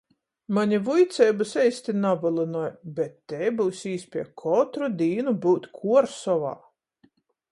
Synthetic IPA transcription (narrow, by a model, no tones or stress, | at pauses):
maɲʲivujt̪sʲɛjbɨsɛjsʲt̪ʲinabɨlˠɨnɔjbɛt̪ːɛjbuwsiːspʲiɛkʰɔt̪ɾud̪ʲiːnubuwt̪ʲkʰuɔɾsɔva̰ː